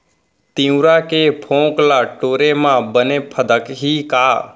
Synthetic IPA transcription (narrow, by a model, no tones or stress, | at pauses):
t̪ĩːũɾakepʰõːklaːʈoːɾemãːbəneːpʰəd̪əkɦiːkaː